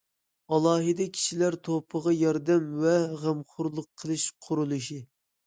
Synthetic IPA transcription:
ɑlˠɑːɦɨd̪ɛkʲʰi̥ʃilæɾt̪ʰopʰəʁɑjɑɾd̪ɛmvɛʁæmχʊɾlˠʊqʰːəlˠɨʃqʰʊɾulˠɨʃi

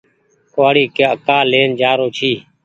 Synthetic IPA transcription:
kaːɽiːkeəkaːleːnd͡ʒaːɾoːt͡ʃʰiː

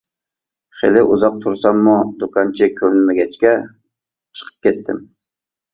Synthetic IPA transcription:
χelɪʔʊzɑq̚t̪ʰʊɾsamːʊd̪ʊkʰɑnt͡ʃʰɪkʲʰɵlnmaɡʲat͡ʃkʲa | t͡ʃʰɨ̥qʰə̥p̚kʲet̪ʰːɪm

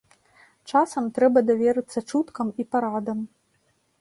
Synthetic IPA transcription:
t͡ʂasɐmt̪ɾɛbɐd̪avʲɛɾɨt̪sːɐt͡ʂut̪kɐmipaɾad̪ɐm

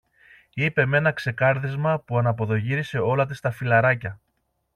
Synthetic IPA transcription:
ipe̞me̞nɐkse̞kɐɾðizmɐpuɐnɐpo̞ðo̞ʝiɾise̞o̞lɐt̪̬ist̪ɐfilɐɾɐcɐ

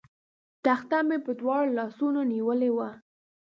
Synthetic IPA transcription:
t̪axt̪amepəd̪wɑɽlɑsunoniwəlewa

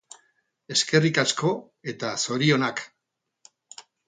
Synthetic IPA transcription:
e̞ske̞rikasko̞ | e̞t̪aso̞ɾio̞nak

